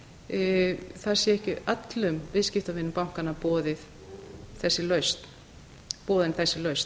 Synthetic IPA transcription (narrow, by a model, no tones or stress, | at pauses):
θaðsjɛɛhcɪʔat̪lʏmvɪðscɪft̪awvɪnːʏmpawŋ̥kanapɔːðɪθ | θɛsːɪlœɥst̪ | pɔːðɪnθɛsːɪlœɥst̪